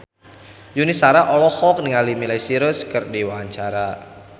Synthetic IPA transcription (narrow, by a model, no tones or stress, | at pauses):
junisaɾaʔɔlɔhɔk̚nɪŋalimilajsiɾəskɨrdiwaɲt͡ʃaɾa